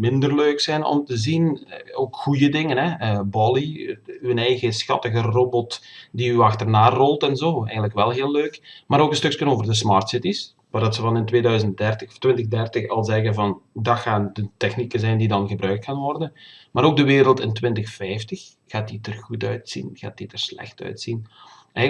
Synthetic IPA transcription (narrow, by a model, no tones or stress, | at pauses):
mɪndərløːksɛjnɔ̰mtəzinoːkxujədɪŋənɦɛəbɔlˠiyənɛjɣəsxɑ̰təɣəroːbɔtdiyɑxtərnaːrɔlˠtɛnzoːɛ̰jɣəntləkʋɛlˠɦeːlːøːkmaːɾoːkənstɵkskənoːvərdəs̬mɑːrtsɪtis | ʋaːrdɑtsəvɑnɪntʋeːdœɥzənt̚dɛrtəxɔftwɪntəɣdɛrtəxɑlˠzɛɣənvɑndɑxaːndətɛxnikənzɛjndidɑnɣəbrœɥk̚tkaːnʋɔrdənmaːɾoːɡ̚dəʋɪːɾəlˠtɪntwɪntəxfɛjftəx | ɣ̥aːt̚ditərɣutœɥtsḭnɣaːt̚itərslɛ̰xtœ̰ɥtsin | ɛ